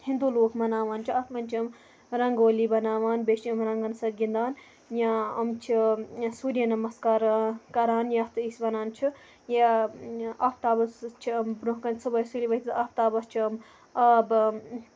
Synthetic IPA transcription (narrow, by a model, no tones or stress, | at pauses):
hĩnd̪uːloːkmɐnaːʋaːnt͡ʃʰiɐt̪mɐnʲt͡ʃʰiɐm | ɾɐŋɡoːliːbɐnaːʋaːnbeʃiɐmɾɐŋɡɐnsɐɡʲind̪aːn | jãɐmt͡ʃʰisuːɾijɐnɐmɐskaːɾkɐɾaːnjaft̪ɨisbɐnaːnt͡ʃʰi | ja | ɐp̚ʰt̪aːbɐst͡ʃʰiɐmbɾõɦkɐnt͡sʰɐbɐjsuliʋɐt̪iɐpʰt̪aːbɐst͡ʃʰiɐm | ɐb